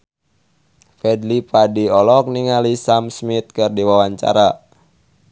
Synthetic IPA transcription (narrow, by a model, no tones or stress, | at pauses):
fɛdlipadiɔlɔk̚niŋalisamsmit̪̚kɨrdiwawaɲt͡ʃa̰ɾa